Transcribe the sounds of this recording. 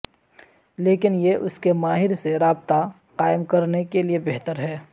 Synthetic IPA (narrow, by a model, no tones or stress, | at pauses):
leːkɪnjeʔʊskemaːɦɪɾseɾaːbt̪a | qaːɪmkɐɾnekeliebeɦt̪əɾɦɛː